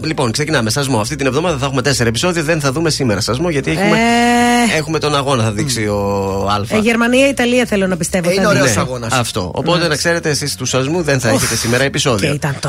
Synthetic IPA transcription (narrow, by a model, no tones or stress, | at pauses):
lipo̞nkse̞cinɐme̞sɐzmoɐft̪it̪inevðo̞mɐðɐθɐexume̞t̪e̞seɾɐepiso̞ðioðenθɐðume̞simeɾɐsɐzmo̞ʝɐt̪ieme | e̞xume̞t̪o̞nɐɣo̞nɐθɐðiksio̞ɐlfɐʝeɾmɐniɐit̪ɐliɐθelonɐpist̪e̞vooeneosɐɣonɐsɐft̪o̞̰o̰pot̪enɐkse̞ɾe̞t̪eːsist̪usɐzmuðenθɐeçet̪esimeɾɐepiso̞ðioit̪ɐnt̪